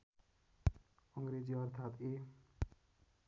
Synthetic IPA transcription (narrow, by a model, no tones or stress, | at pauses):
ʌŋɡɾed͡ziʌɾt̪ʰat̪e